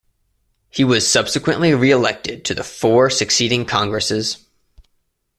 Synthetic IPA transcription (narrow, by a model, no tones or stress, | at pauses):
hiwʌz̥sʌb̥sɨkwɨ̃nʔliɹiəlɛk̚tɨd̚tʰɨðɨfɔɹsɨksiɾɪ̃ŋkʰɑ̃ŋɡɹɨsɪz̥